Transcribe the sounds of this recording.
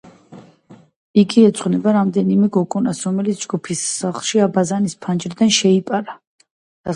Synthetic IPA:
iɡiɛt̪sʼqʼnɛbaɾamd̪ɛnimɛɡɔkʼunasɾɔmɛlit̪sʰd͡ʒɡupʰisːaχlˠʃiabazanispʰand͡ʒɾd̪anʃɛipʼaɾa | d̪̥a

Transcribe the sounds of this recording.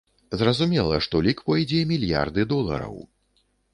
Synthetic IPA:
zrɐzumʲɛlˠɐ̰ʂt̪ɔlʲikpɔjd͡zʲɛmʲilʲja̰rd̪ɨd̪ɔlˠɐ̰ɾɐ̰w

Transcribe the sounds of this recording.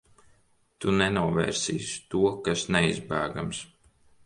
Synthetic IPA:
t̪unɛnuɔvɛ̰ːɾsḭːst̪uɔkasnɛizbæːɡams

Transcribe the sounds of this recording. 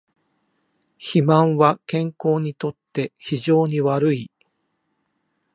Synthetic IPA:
çimãɰ̃βakẽ̞ŋko̞ːɲ̟it̪o̞t̪ːe̞çiʑo̞ːɲ̟iβaɾɯ̟i

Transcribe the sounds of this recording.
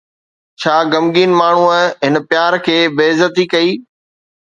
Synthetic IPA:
t͡ɕʰaːɡɐmɠiːnmaːɳ̤uəɦɪnpjaːɾkʰeːbeːzət̪ikɐiː

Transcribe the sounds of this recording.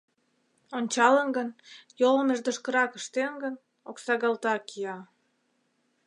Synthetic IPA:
onʲt͡ɕɑlənɡənjoləmeʒd̪oʃkəɾɑkəʃt̪enɡən | oksɑɣɑlt̪ɑkijɑ

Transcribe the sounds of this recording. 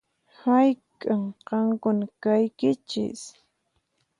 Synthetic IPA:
hajkʼaŋqɑŋkʊnakajkɪt͡ʃɪ̰s

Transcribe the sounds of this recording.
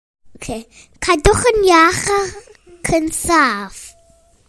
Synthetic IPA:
okʰeː | kʰadʊχənjaχa | kʰənsaf

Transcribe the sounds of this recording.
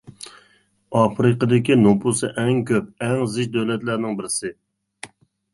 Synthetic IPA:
ɑfɾɨqəd̪ɪkʲinupʰusɨʔɛŋkʲʰøp̚ɛŋzɪʃd̪øwlɛt̪læɾnɪŋbɪɾɪsɪ

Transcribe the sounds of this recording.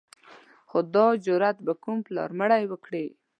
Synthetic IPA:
xod̪ɑd͡ʒʊɾat̪bakumplɑ̰ɾməɽajwəkɽi

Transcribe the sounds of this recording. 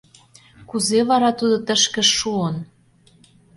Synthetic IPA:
kuzeβɑɾɑt̪ud̪ot̪ə̆ʃkə̆ʃːuən

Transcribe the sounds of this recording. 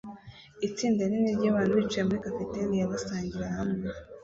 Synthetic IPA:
it͡siːndaniniɾɟaːβaːnhuβit͡ʃijemuɾikapetelijaβasaːɲɟiɾahamŋe

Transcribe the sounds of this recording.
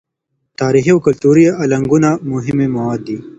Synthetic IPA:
t̪aːɾixiokɐlt̪uːɾijaʔɐlɐŋɡunamuɦɪmemɐwaːd̪ːiː

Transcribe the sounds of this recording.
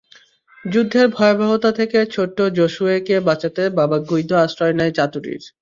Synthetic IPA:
d͡ʑud̪ʱːeɾbʱɔebʱabot̪at̪ʰeket͡ɕʰoʈːod͡ʑoʃuekebat͡ɕat̪ebabaɡujd̪ʱːoasɾɔenɛet͡ɕat̪uɾḭɾ

